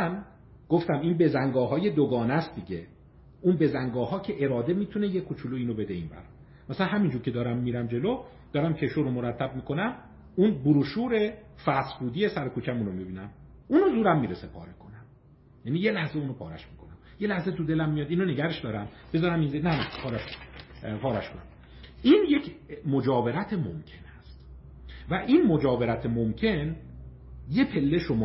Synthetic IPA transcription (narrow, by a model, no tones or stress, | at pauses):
n | ɡ̥o̞ft̪æminbe̞zæŋɡɒːɦɒːje̞d̪oɡɒːnæst̪d̪iɟe | ʔunbe̞zæŋɡɒːhɒːcʰe̞ʔe̞ɾɒːd̪emiːt̪ʰune̞jekʰːot͡ʃʰuluiːnobe̞d̪e̞ḭːnbæ̰ɾ | mæsælænɦæmind͡ʒuːɾcʰe̞d̪ɒːɾæmːiːɾæmd͡ʒe̞lo | d̪ɒːɾæmcʰe̞ʃoɾomoɾæt̪ʰːæb̚miːkʰo̞næm | unbuɾuʃuːɾe̞fæsfuːd̪iesæɾekʰuːt͡ʃʰæmunomibiːnæmʔuːnozuːɾæmːiːɾesepʰɒːɾekʰonæm | jænije̞læhzeuːnopʰɒːɾæ̰ʃmiːkʰonæmjelæhzet̪ud̪e̞læmːijɒd̪iːnone̞ɡæɾeʃd̪ɒːɾæmb̥e̞zɒːɾæminzenænæpʰɒːɾæʃ | pʰɒːɾæʃkonæ̰m | ʔiːnje̞cʰmod͡ʒɒːve̞ɾæt̪ʰemomcʰe̞næst̪ | væʔiːnmod͡ʒɒːve̞ɾæt̪ʰemomcʰe̞n | je̞pʰe̞lːeʃomː